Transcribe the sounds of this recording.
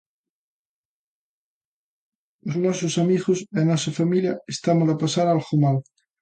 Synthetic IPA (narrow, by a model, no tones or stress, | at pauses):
oznɔsosamiɣosenɔsɐfamiljɐest̪amolapasaɾalxumal